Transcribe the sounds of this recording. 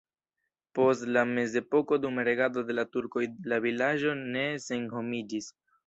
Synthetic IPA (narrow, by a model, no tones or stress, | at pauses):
po̞stlame̞ze̞po̞ko̞dumaɾe̞ɡado̞de̞latuɾko̞jelavilaʒo̞ne̞se̞nho̞mid͡ʒis